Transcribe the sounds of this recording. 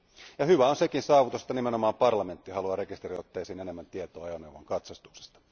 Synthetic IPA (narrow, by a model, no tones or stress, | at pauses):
jɑhyʋæonsekinsɑːʋut̪use̥t̪ːɑnimeno̞mɑːmpɑrlɑme̞nt̪ːiɦɑluɑɾe̞kist̪eɾiot̪ːejsiːne̞nemːænt̪iet̪oːɑjonewʋɑŋkɑt̪sɑst̪ukse̥st̪ɑ̥